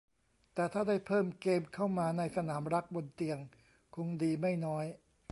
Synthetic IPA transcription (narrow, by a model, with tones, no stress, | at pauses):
t̪ɛː˨˩t̪ʰaː˥˩daː˥˩jpʰɤː˥˩mkeː˧mkʰa˥˩wmaː˧na˧jsa˧naː˩˦mɾa˦˥k̚bo˧nt̪i˧əŋ | kʰo˧ŋdiː˧ma˥˩jnɔː˦˥j